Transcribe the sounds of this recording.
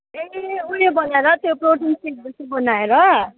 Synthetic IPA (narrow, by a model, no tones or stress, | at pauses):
eulebʌnaeɾʌt̪joproʈinsʈiʈ̚busʌbʌnaeɾʌ